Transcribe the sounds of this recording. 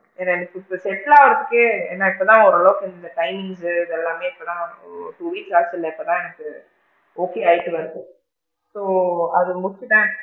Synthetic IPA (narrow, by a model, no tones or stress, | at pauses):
ɛnːaɛnɐkːɯɪpːɐsɛʈːlaːʋɐɾɐt̪ːɯkːɯeːnːaːɪpːot̪ãːɔɾɐɭɐʋɯkːɪnd̪ɐʈɐɪmɪŋsɯːðɛlːaːmeːɪpːot̪ãːʈuːʋiːksaːɾsɪlːɐɪpːɐt̪ãːɛnɐkːɯ | oːkeːaːjɪʈːɯʋɐɾd̪ɯ | soːɐðɯmʊkːɪt̪ãː